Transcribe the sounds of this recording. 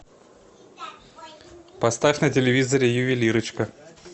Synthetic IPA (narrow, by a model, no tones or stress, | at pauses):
pɐst̪afʲnətʲɪlʲɪvʲizəɾʲɪjʊvʲɪlʲiɾɨt͡ɕkə